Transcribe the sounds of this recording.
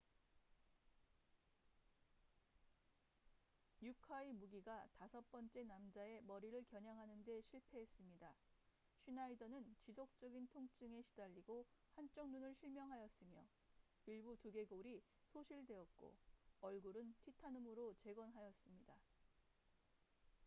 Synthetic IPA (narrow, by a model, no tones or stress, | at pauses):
jukʰaimuɡiɡatasʰʌp͈ʌnt͡ɕ͈e̞namd͡ʑae̞mʌɾiɾɯɭkjʌɲaŋɦanɯnde̞ɕʰiɭpʰe̞ɦes͈ɯmɲida | ɕʰinaidʌnɯnt͡ɕisʰok̚t͡ɕ͈ʌɡintʰoŋt͡ɕ͈ɯŋe̞ɕʰi̥daʎːiɡohant͡ɕ͈ʌŋnunɯɭɕʰiɭmjʌŋɦajʌs͈ɯmjʌ | iɭbutuɡe̞ɡoɾi | sʰoɕʰiɭde̞ʌt̚k͈o̰ʌɭɡuɾɯntʰitʰanɯmɯɾot͡ɕe̞ɡʌnɦajʌs͈ɯmɲida